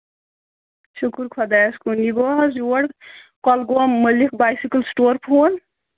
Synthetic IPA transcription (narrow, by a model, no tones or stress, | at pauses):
ʃukuɾkʰɔd̪ajskuniɡoːɦɐzuɐɽkɔlɡoːmːəlik̚baːjsikəlsʈoːɾpʰoːn